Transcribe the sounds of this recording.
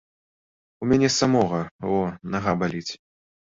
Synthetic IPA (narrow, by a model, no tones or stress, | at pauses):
umʲanʲɛsamɔɣɐvɔnaɣabalʲit͡sʲ